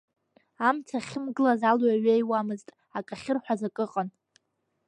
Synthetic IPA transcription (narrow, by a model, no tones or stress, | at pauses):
amtʰaχʲɪmɡɨlazalwaɥejwamɨztʼ | akʼaχʲɪrħʷᶣazakʼɨqʼan